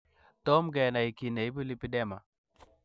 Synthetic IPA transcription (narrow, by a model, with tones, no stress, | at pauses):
tɔ˦mɡɛ˨na˨i˨ki˨na˨i˦bu˦li˦pi˦dɛ˦ma˨